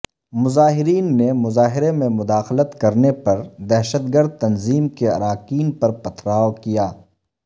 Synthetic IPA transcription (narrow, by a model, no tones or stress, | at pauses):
mʊzaːɦɪɾiːnːemʊzaːɦɪɾemẽmʊd̪aːxlət̪kɐɾnepɐɾd̪ɛɦʃət̪̚ɡəɾd̪̚t̪ɐnziːmkeɐ̰ɾaːkiːnpɐɾpɐt̪ʰɾaːokijaː